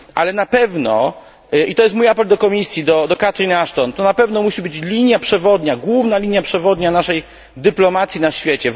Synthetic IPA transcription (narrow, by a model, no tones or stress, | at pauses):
ʔalɛnapɛvnɔ | ʔit̪ɔjɛst̪mujapɛld̪ɔkɔmʲisʲjid̪ɔd̪ɔkat̪ɾʲinaʂt̪ɔnt̪ɔnapɛvnɔmuɕibɘt͡ɕlʲiɲjapʂɛvɔd̪ɲaɡwuvnalʲiɲjapʂɛvɔd̪ɲanaʂɛj | d̪ɘplɔmat̪sʲinaɕfʲjet͡ɕɛ